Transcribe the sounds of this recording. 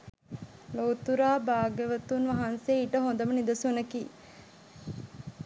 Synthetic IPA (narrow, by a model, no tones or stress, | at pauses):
loːt̪uɾaːbaːɡeʋɐt̪unʋɐɦanseːiʈəɦond̪ɐmənid̪ɐsunɐkiː